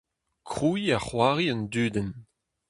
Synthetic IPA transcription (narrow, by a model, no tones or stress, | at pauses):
kʁujaχwaːʁiɔndyːdɛn